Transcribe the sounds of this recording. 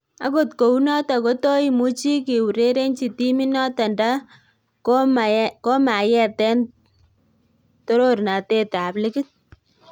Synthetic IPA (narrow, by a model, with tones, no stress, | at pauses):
a̰˨ko˨tko˨u˦nɔ˦ta˨ko˦to˦i˦mu˦t͡ʃi˦ki˨wu˨ɾe˦ɾe˦nt͡ʃi˨ti˦mi˦nɔ˦ta˨nda˦ | koko˦ma˨jɛ˦tɛ˦n | to˦ɾo˦ɾna˨te˦ta˨plɪ˦kɪ˦t̚